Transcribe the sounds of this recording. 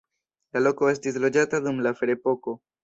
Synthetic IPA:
lalo̞ko̞e̞stis̬lo̞d͡ʒatadumlafeɾepo̞ko̞

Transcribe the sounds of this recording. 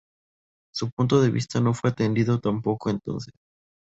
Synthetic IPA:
supunt̪oðe̞βḭst̪ano̞fwe̞at̪e̞nd̪iðo̞t̪ampo̞ko̞ent̪o̞̰nses

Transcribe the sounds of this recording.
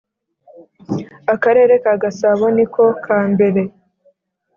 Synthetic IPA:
akaɾe̞ːɾe̞kaːɡasaːβo̞nikʰo̞kʰaːmbe̞ɾe̞

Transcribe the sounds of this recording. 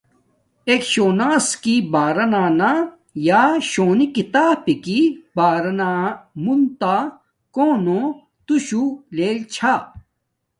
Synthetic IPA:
ekɕoːnaːskibaːɾɐnaːna | jaːɕoːnikit̪aːbpikibaːɾɐnaːmunt̪aː | koːno | t̪uɕuleːlt͡ɕʰa

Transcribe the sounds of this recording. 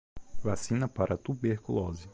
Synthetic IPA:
vasĩnɐpaɾʔɐt̪ubeɾkulɔzɪ

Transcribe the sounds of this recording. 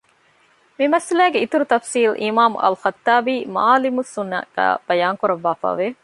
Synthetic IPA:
mimɐsɐlæːɡeit̪uɾut̪ɐfsiːlʔimaːmṵʔɐ̰lxɐt̪ːaːbiːma̰aːlimusunːɐ̰ɡ̥æ̰ːb̥ɐjaːŋkuɾɐʋːaːfa̰ːʋe

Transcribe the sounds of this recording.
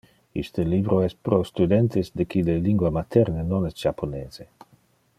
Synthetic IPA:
ḭst̪əlibɾoɛspɾost̪ud̪ɛnt̪esd̪ek̟ideliŋɡwamat̪ʰɛɾnənonɛsʒ̥apʰoneːz̥e

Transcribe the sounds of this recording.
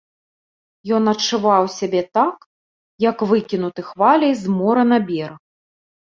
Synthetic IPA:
jɔnɐt͡ʂːuvawsʲabʲɛt̪ak | jɐkvɨkʲinut̪ɨxvalʲɐjzmɔɾɐnɐbʲɛɾɐx

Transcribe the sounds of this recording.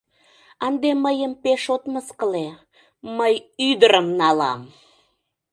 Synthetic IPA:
ənd̪eməjəmpeʃot̪məskəle | məjyd̪əɾəmnɑlɑ̰m

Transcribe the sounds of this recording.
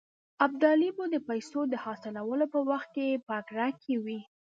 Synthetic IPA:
ab̚d̪ɑlibod̪əpajsod̪əhɑsɪlawəlopəwaxt̪̚kepəkɾakʰewi

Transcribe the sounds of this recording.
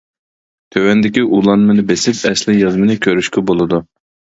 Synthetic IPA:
t̪ʰøwɛnd̪ɪkʲiʔulˠɑnmɨnɨbesɪpɛslɪjɑzmɨnɨkʲʰøɾyʃkʲɛbolˠɨd̪u

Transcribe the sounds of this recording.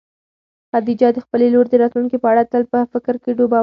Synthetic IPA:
had̪id͡ʒɑd̪əxpəleloɾd̪əɾɑt̪lunkipəaɽat̪əlpəfɪkɾkeɖobɑ

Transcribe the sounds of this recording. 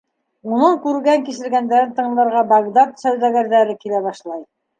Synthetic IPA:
unɤɴkʉɾɡæŋkisɘ̆ɾɡænd̪æɾɘnt̪ɤ̆ɴlˠɤ̆ɾʁɑbɑɡd̪at̪sæwzæɡæɾðæɾɘkilæβɑʃlˠɑj

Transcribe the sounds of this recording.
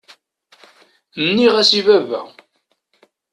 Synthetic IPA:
nːiʁæsivævæ̰

